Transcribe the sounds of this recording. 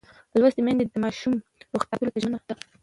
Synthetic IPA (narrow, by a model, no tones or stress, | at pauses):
lwazd̪əmand̪ed̪əmɑʃumɾoxt̪ɑkəlot̪aʒmənaxt̪a